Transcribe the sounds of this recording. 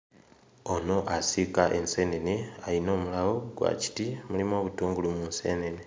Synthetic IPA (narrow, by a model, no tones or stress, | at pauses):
o̞no̞ʔasikaʔe̞nse̞ːne̞nealino̞ːmulawo̞ɡwa̰ci̥timulimo̞ːβutuːŋɡulumunse̞ne̞ne